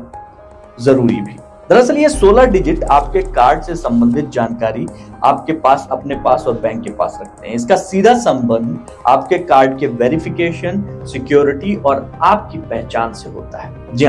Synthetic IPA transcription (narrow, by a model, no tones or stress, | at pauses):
zɐɾuːɾibʱiː | d̪ʱɐɾəsəlijesoːlaɖɪd͡ʒɪʈaːpkekaːɾɖsesɐ̃mbə̃nd̪ʱɪt̪̚d͡ʒaːnkaːɾi | a̰ːp̚kepaːsɐpnepaːsɔːɾbɛ̃ːŋkːepa̰ːsɾɐk̚ʰt̪ḛɦɛ̃ɪskasiːd̪ʱasɐ̃mbə̃nd̪ | a̰ːp̚kekaːɾɖkeʋeːɾɪfɪkeːʃənsɪkjoːɾɪʈiʔɔːɾaːp̚kipɛɦt͡ʃaːnseɦo̰ːt̪aɦɛːd͡ʒɪɦ